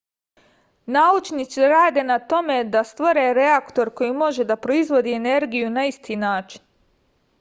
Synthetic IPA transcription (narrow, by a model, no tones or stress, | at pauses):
naut͡ʃnit̪siɾaːd̪e̞nat̪o̞me̞d̪ast̪ʋoɾe̞ɾe̞akt̪o̞ɾko̞jimo̞ʒe̞d̪apɾo̞izʋo̞d̪iene̞ɾɡijunaist̪inaːt͡ʃi̥n